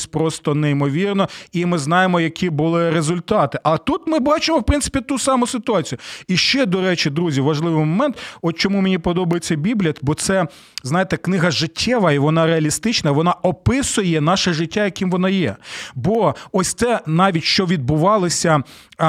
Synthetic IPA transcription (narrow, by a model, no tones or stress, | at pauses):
sʲpɾɔst̪ɔnɛimɔʋʲirnɔimɪznɑjemɔjɐkʲʰibʊlˠɪɾezʊlʲt̪ɑt̪ɪʔɐlˠɛt̪ut̪mɪbɑt͡ʃemɔwpɾɪnsɪ̥pʲit̪usɑmʊsɪt̪ʊɑt͡sʲijʊiʃt͡ʃɛd̪ɔɾɛt͡ʃid̪ɾuzʲiʋɐʒlˠɪʋɪmɔmɛnt̪ɔt͡ʃɔmumenʲipɔd̪ɔbɐjet͡sʲːɐbʲiblʲiɐbɔt̪sɛ | znɑjet̪ɛknɪɦɐʒɪtʲːɛʋɐiʋɔnɑɾeɐlʲist̪ɪt͡ʃnɐʋɔnɑɔpɪsʊjɛnɑʃɛʐɪtʲːajɐkimʋɔnɑjɛbɔɔsʲt̪sɛnɑʋʲitʲʃt͡ʃɔʋʲid̪̚bʊʋɑlˠɪsʲɐ